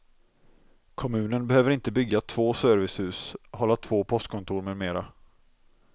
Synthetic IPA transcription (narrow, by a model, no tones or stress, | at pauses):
kʰɔmʉ̟ːnənbɛhøːvəɾɪnt̪əbʏɡːat̪ʰv̥oːsœɾvɪshʉ̟ːshɔlːat̪ʰvoːpʰɔst̪̚kʰɔnt̪ʰuːɾmeːd̪meːɾa